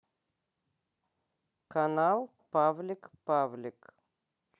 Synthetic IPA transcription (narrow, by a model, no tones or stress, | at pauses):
kanalˠ | pavlʲikpavlʲik